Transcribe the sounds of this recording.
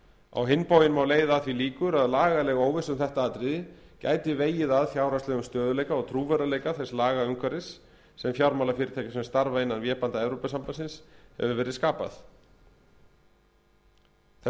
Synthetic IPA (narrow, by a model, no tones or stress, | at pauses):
a̰wɦɪnpoːwjɪnmawleːjðaːðθviliːkʏɾaðlaːɣalɛɣoːwvɪsʏmθɛht̪aat̪ɾɪðɪca̰ːjt̪ɪveːjɪðaðfjaːwɾast̪ɛɣʏmst̪œːðʏlejkaɔɣt̪ʰɾuːvɛɾaleːjkaθɛslaːɣaʏŋkʰvaɾɪsː | ɛmfjawɾmawlafɪːɾɪt̪ʰaːjkasɛmst̪aɾvaɪnːanvjɛːpant̪aɛvɾowpasampasɪnshɛ̰vʏvɛːɾɪðskaːpa̰θ | θɛ